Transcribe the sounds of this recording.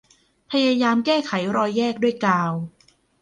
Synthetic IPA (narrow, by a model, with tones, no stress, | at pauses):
pʰa˧jaː˧jaː˧mkɛː˥˩kʰa˩˦jɾɔː˧jːɛː˥˩k̚du˥˩əjkaː˧w